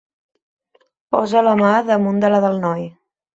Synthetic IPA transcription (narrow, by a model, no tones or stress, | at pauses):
pɔ̰zələmaðəmund̪ələðəlˠnɔj